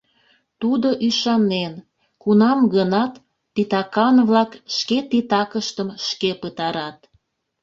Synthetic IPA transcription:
t̪ud̪oʔyʃɑnen | kunɑmɡənɑt̪ː | it̪ɑkɑnβlɑkʃket̪it̪ɑkəʃt̪əmʃkepət̪ɑɾɑt̪

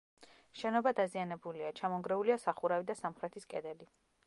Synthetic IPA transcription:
ʃɛnɔbad̪azianɛbuliat͡ʃʰamɔŋɡɾɛuliasaχuɾavid̪asamχɾɛt̪ʰiskʼɛd̪ɛli

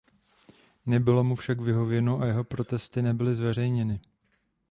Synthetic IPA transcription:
nɛbɪlo̞mufʃakvɪɦo̞vjɛnoʔajɛɦo̞pɾo̞t̪ɛst̪ɪnɛbɪlɪzvɛr̝ɛjɲɛnɪ

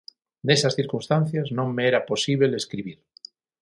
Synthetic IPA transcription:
nesasθiɾkunst̪anθjaznõŋmeeɾaposiβeleskɾiβ̞iɾ

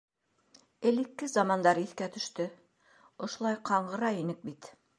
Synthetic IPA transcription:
ɘ̆lɘ̆kːɘzɑmɑnd̪ɑɾiθkæt̪ɵ̆ʃt̪ɘ | ŏʃŏlˠɑjqʰɑɴɢɤ̆ɾɑinɘk̚bit̪

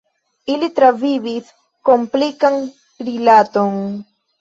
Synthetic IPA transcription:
ilit̪ɾaviβis | komplikaŋ | ɾilat̪oŋ

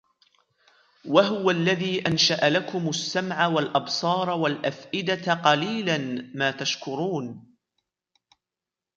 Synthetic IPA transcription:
waɦʊwalːaðiːʔanʃaʔalakʊmasːamʕawalʔɑbsˤɑːɾˤɑwalʔafʔɪd̪aqɑliːlanmaːt̪aʃkʊɾuːn

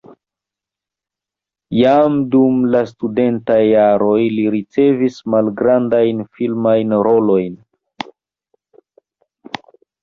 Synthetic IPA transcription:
jamdumlastude̞ntajːaɾo̞jliɾit͡se̞vismalɡɾandajnfilmajnɾo̞lo̞jn

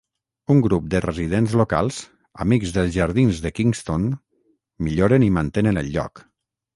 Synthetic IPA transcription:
uŋɡɾup̚d̪ərəzið̞enzloka̰lˠz̥ | a̰mikzðəlˠzʒaɾð̞inzðəkiŋst̪on | miʎoɾənimənt̪enənə̰lʎːɔ̰k

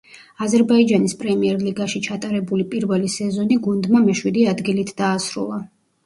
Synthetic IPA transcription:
azɛɾbaid͡ʒanispʼɾɛmiɛɾliɡaʃit͡ʃʰat̪ʼaɾɛbulipʼiɾvɛlisɛzɔniɡund̪mamɛʃwid̪iad̪ɡilit̪ʰd̪aːsɾṵlˠa

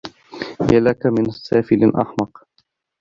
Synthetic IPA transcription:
jalakamɪnsæːfɪlɪnʔɑ̰ħmɑq

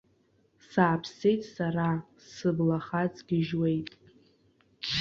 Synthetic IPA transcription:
saːpʰse̞jtʼsara | sɨblaχat͡sʼɡ̥ʲɪʒwe̞jtʼ

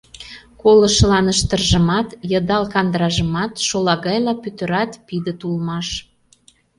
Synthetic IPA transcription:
kolə̆ʃəlɑnəʃt̪ə̆rʒə̆mɑt̪jə̆d̪ɑlkɑnd̪ɾɑʒə̆mɑt̪ʃolɑɣɑjlɑpyt̪ə̆ɾɑt̪pid̪ət̪ulmɑʃ

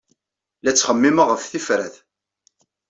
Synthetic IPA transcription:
læt͡sːχəmːiməʁəfθifɾæθ

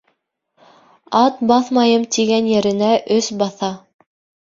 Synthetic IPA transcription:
ɑt̪bɑθmɑjɤmt̪iɡænjɘ̆ɾɘ̆næʔɵsbɑθɑ

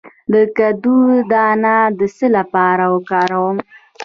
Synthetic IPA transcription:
d̪əkad̪ud̪ɑnad̪əsəlapɑɾawəkɑɾawəm

